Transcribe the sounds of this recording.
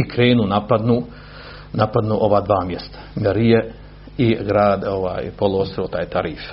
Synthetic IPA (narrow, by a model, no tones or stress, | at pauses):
ikɾeːnuːnapad̪nuː | napad̪nuːʔo̞ʋaːd̪ʋaːmjest̪ḁmeɾije | iɡɾaːd̪oʋa̰ːjpolˠoost̪iɾot̪aːjt̪aɾiːf